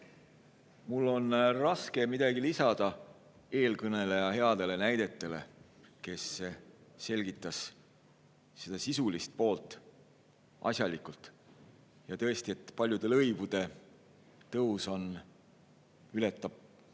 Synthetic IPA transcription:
mulːo̞nrɑske̞mid̪̥ɑɡilisɑd̪̥ɑ | e̞ːlkɤne̞lejɑhe̞ɑd̪̥e̞le̞næjd̪̥e̞t̪ːˑe̞le̞̰ | ke̞sːese̞lʲɡit̪ːˑɑs | se̞d̪̥ɑsisulist̪̚po̞ːlt̪ːˑ | ʔɑ̰sʲjɑlikult̪ˑ | jɑt̪ɤ̞est̪ie̞t̪ːˑpɑlʲjud̪̥e̞lɤjvud̪̥e̞ | t̪ɤuso̞n | ylet̪ːˑɑb̥̚

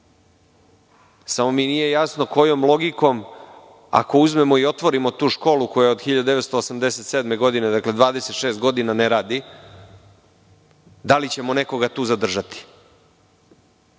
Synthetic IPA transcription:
samo̞miːnije̞jasnoko̞jo̞mlˠo̞ɡiko̞m | a̰ko̞uzme̞mo̞io̞t̪ʋo̞ɾimo̞t̪uːʃko̞ːlukojod̪xiʎad̪ud̪eʋest̪o̞ːsamd̪e̞set̪sed̪me̞ɡo̞d̪ine̞d̪akle̞d̪ʋaːd̪e̞set̪ʃeːst̪ɡo̞d̪inaneɾaːd̪i | d̪alit͡ɕe̞mo̞ne̞ko̞ɡat̪uːzad̪r̩ʒat̪i̥

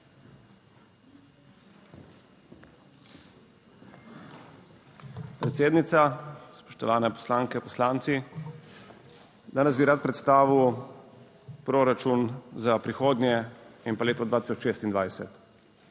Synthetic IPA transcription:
pɾɛt̪seːd̪nit̪saspɔ̥ʃt̪ɔʋaːnɛpɔ̥slaːŋkɛpɔslaːnt̪si | d̪aːnɛzbiɾaːt̪̚pɾɛt̪st̪aːʋiw | pɾoːɾat͡ʃunzapɾixoːd̪nʲjɛimpaleːt̪ɔd̪ʋaːt̪i̥sɔt͡ʃʃeːst̪ind̪ʋajsɛt̪

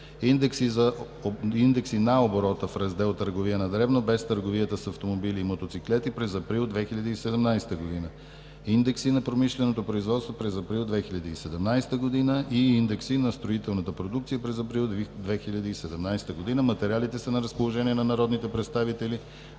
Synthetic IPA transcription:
ind̪ɛksizɐ | ind̪ɛksinaoboɾɔt̪əfɾɐzd̪ɛlˠt̪ːəɾɡovijənɐd̪ɾɛvnobɛst̪əɾɡovijət̪əsɐft̪omobiliːmot̪ot̪siklɛt̪ipɾɛzɐpɾilˠd̪vɛxiʎʲɐd̪iːsɛd̪ɛmnajsɛ̥t̪əɡod̪inə | ind̪ɛksinɐpɾomiʃlɛnot̪opɾoizvɔt̪st̪vopɾɛzɐpɾilˠd̪vɛxiʎʲɐd̪iːsɛd̪ɛmnajst̪əɡod̪inəʔiind̪ɛksinɐst̪ɾoit̪ɛlˠnət̪əpɾod̪ukt̪sijəpɾɛzɐpɾilˠd̪vɛxiʎʲɐd̪iːsɛd̪ɛmnajst̪əɡod̪inəmɐt̪ɛɾialit̪ɛsɐnɐɾəspolˠoʒɛniɛnɐnɐɾɔd̪nit̪ɛpɾɛt̪st̪avit̪ɛli

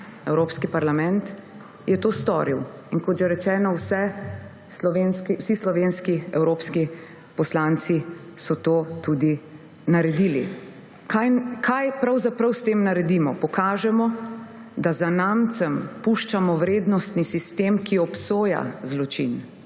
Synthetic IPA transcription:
ɛwɾoːpskipaɾlamɛ̃nt̪ | jɛt̪oːst̪ɔ̰ːɾiw | inkɔt̪ʒɛɾɛt͡ʃɛːnɔwsɛ | slɔʋenskiwsislɔʋeːnskiɛwɾoːpski | pɔslant̪si | sɔt̪oːt̪ud̪i | naɾɛd̪iːlḭ | kajkʰajpɾɐwzapɾɐwst̪eːmnaɾɛd̪imɔpɔkaːʒɛmɔ | d̪azanamt̪sɛmpuʃt͡ʃamɔwɾeːd̪nɔst̪nisist̪eːmkiɔpsoːja̰zlɔt͡ʃḭn

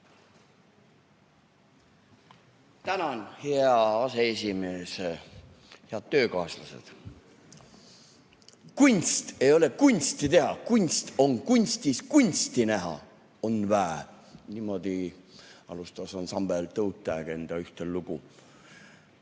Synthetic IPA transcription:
t̪ænɑnheɑɑse̞esʲimeːse | heɑd̪̥̚t̪ːø̞ːkɑslɑse̞̰d̪̥ | kunʲst̪e̞jo̞le̞kunʲst̪it̪e̞ɦɑkunʲst̪o̞ŋkunʲst̪iskunʲst̪inæɦɑ̰ | o̞nvæe | niːmo̞d̪̥i | ɑ̰lust̪ɑsonsɑmb̥elt̪ɤwt̪ːˑæɡ̥e̞nd̪̥ɑyht̪elːuɡ̥u

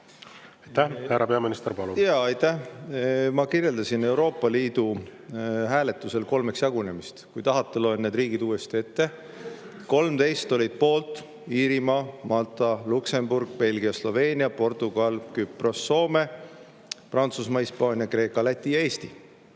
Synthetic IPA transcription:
ɑjt̪ːæhhæɾɑpe̞ɑminist̪eɾpɑlujɑɑjt̪ːæh | mɑkirje̞ld̪ɑsine̞wɾo̞ːpːˑɑliːd̪̥u | ɦæːle̞t̪ːˑuse̞lko̞lme̞ksjɑɡune̞mist̪kujt̪ɑɦɑt̪ːˑelonnːed̪riːɡ̥id̪uːe̞st̪ie̞t̪ːe | ko̞lmt̪e̞jst̪o̞lʲid̪̥̚po̞ːlt̪ˑ | iːɾimɑmɑlt̪ˑɑlukse̞mburɡ̥pe̞lʲɡiɑslo̞ve̞ːnʲiɑpo̞rt̪ˑuɡ̥ɑlkypro̞sːo̞ːme̞ | prɑnt̪susmɑhispɑːnʲiɑkre̞ːkːˑɑlæt̪ʲˑːijɑeːst̪i

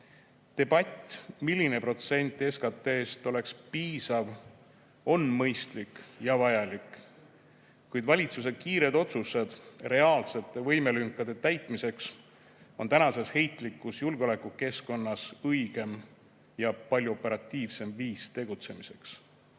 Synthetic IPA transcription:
t̪e̞b̥ɑt̪ʲːˑmilʲːine̞pro̞t̪se̞nʲt̪ˑe̞skɑt̪ːˑe̞ːst̪o̞le̞kspiːsɑv | o̞nmɤjst̪likjɑvɑjɑlik | kujd̪̥vɑlʲit̪sus̬e̞̥kiːɾe̞d̪̥o̞t̪sused̪̥re̞ɑːlse̞t̪ːˑe̞vɤ̞jme̞lyŋkːˑɑd̪̥e̞t̪æjt̪ˑmise̞ks | o̞nt̪ænɑse̞she̞jt̪ˑlikːˑusjulɡeo̞le̞kːuke̞sko̞nːɑsɤjɡ̥e̞m | jɑpɑlʲjuo̞pːeɾɑt̪ʲːˑiːvse̞mviːst̪e̞ɡ̥ut̪se̞mise̞ks

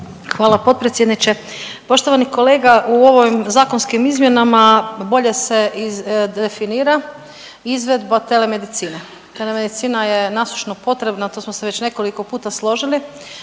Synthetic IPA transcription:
xʋaːlapo̞t̪̚pɾet̪sjed̪nit͡ɕe̞ | po̞ʃt̪o̞ʋaniko̞le̞ːɡaʔuo̞ʋoʋimzaːko̞nskimizmje̞namabo̞ʎe̞se̞iefiniːɾa | izʋe̞d̪bat̪e̞le̞me̞d̪it̪siːne | t̪e̞leme̞d̪it̪siːnajenasu̥ʃnopo̞t̪ɾe̞bnat̪oːsmoseʋe̞t͡ɕne̞ko̞liko̞puːt̪aslˠo̞ʒili

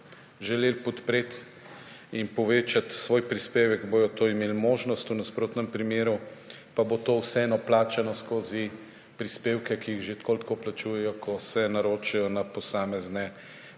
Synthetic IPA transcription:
ʒɛleːlpɔt̪pɾeːt̪ | inpɔʋeːt͡ʃat̪sʋoːjpɾispeːʋɛɡboːjɔt̪oːimeːlmoːʒnɔst̪unaspɾoːt̪nɛmpɾimeːɾu | pabot̪oːwsɛɛnɔplaːt͡ʃɛnɔskoːzi | pɾispeːwkɛkijiɣʒet̪koːlt̪koplat͡ʃuːjɛjɔkʰɔsɛnaɾoːt͡ʃɛjɔnapɔsaːmɛznɛ

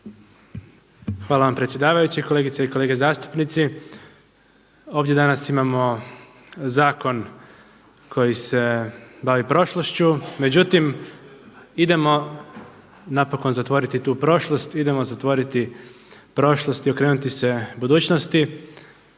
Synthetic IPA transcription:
xʋaːlaʋampɾet̪sʲje̞d̪aːʋajut͡ɕiko̞leɡit̪seikoleːɡezaːst̪u̥pnit̪si | o̞ːʋd̪je̞d̪anasimamo̞ | zaːko̞n | kʰo̞jise̞baʋipɾo̞ʃloʃt͡ɕume̞d͡ʑut̪im | id̪e̞mo̞ | napo̞ko̞nzat̪ʋo̞ɾit̪it̪uːpɾo̞ʃlˠost̪id̪e̞mo̞zat̪ʋo̞ɾit̪i | pɾo̞ʃlˠost̪io̞kɾeːnut̪ise̞bud̪uːt͡ɕnost̪i

